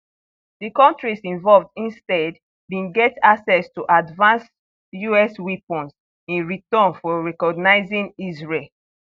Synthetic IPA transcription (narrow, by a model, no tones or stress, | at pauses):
dikɔ̃ntɹisĩɱvɔlvdĩnstɛd | bĩnɡɛtaksɛstuʔadvãns | juɛswipɔ̃ns | ĩnɹitɔ̃nfɔɹɛkɔɡnaɪzĩnizɹel